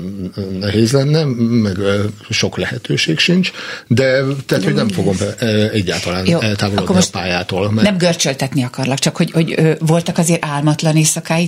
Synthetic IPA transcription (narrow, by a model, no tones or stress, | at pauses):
nɛɦeːzlɛnːɛmɛɡʃo̞klɛhɛt̪øːʃeːkʃint͡ʃd̪ɛt̪ɛɦat̪hoɟnɛɱfo̞ɡo̞mɛɟːa̰ːlt̪ɒlaːnjoːɛlt̪aːvoloːdkːomopaːjaːt̪oːlmɛnɛmɡørt͡ʃølt̪ɛt̪niɒkɒrlɒkt͡ʃɒkho̞ɟho̞ɟøːvo̞lt̪ɒkɒzeːɾʔaːlmɒt̪lɒneːsɒkaːji